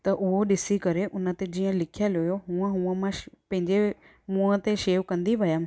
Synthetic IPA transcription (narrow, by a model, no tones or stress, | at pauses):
t̪ɐʔʊɦoɗɪsikɐɾeʔʊnãt̪ed͡ʑiːãlɪkʰjaloːjoɦuə̃ɦũə̃mãpɐ̃ɦɪ̃ɲd͡ʑe | mũə̃t̪eʃeːʋkɐ̃nd̪iʋɐjam